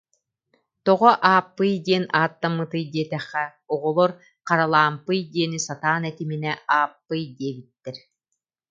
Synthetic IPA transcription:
t̪ɔʁɔʔaːpːɯjd̪iɛnaːt̪ːamːɯt̪ɯjd̪iɛt̪ɛχːɛ | ɔʁɔlˠɔɾ | qaɾalˠaːmpɯjd̪iɛnisat̪aːnɛt̪iminɛaːpːɯjd̪iɛbit̪ːɛɾ

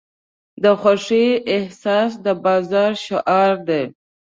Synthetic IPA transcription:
d̪əxwaʂiɪhsɑs̬d̪əbɑzɑɾʃʊʔɑɾd̪e

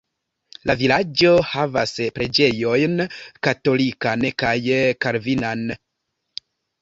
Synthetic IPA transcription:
lavilad͡ʒo̞havaspɾe̞d͡ʒe̞jo̞jnkato̞likankajkaɾvinan

